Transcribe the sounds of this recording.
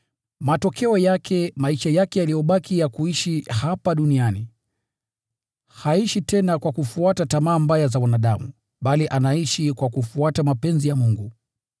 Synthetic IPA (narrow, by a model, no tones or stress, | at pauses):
matɔkʰɛɔjakʰɛmaiʃajakɛjalijɔɓakʰijakuiʃihapaɗuniani | haiʃitɛnakwakufuatatamaːmbajazawanaɗamu | ɓaliʔanaiʃikwakufuatamapɛnzijamuŋɡu